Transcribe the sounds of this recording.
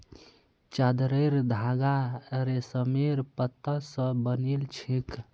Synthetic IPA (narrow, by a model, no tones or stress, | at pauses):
t͡ʃad̪ɾəjɾd̪ʱaɡaɾesəmeɾpət̪ːəsə̃bənilt͡ʃʰik